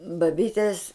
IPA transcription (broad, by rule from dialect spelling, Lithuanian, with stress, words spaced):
bɐˈbʲiːtʲeːs